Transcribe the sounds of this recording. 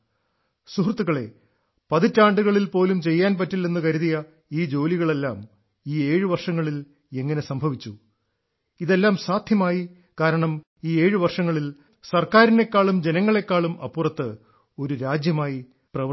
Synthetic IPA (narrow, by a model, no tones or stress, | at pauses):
suɦrt̪ːuɣɐɭe̞ | pɐðitːaːɳɖuɣɐɭilpo̞ːlumt͡ɕe̞jːaːnpɐtːilːenːukɐɾuðijɐ | iːd͡ʑo̞ːliɣɐɭe̞lːaːm | iːe̞ːɻɨʋɐrʂɐŋːɐɭil | e̞ŋːɐne̞sɐmbʱɐʋit͡ɕːu | iðe̞lːaːmsaːd̪ʱjɐmaːji | kaːɾɐɳɐm | iːe̞ːɻɨʋɐrʂɐŋːɐɭil | sɐrkaːɾine̞kːaːɭumd͡ʑe̞nɐŋːɐɭe̞kːaːɭumʔɐpːurɐt̪ːɨ | o̞ɾuɾaːd͡ʑjɐmaːji | prɐʋ